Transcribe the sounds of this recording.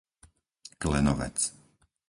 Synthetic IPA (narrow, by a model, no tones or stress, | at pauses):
klɛnɔʋɛ̰t͡s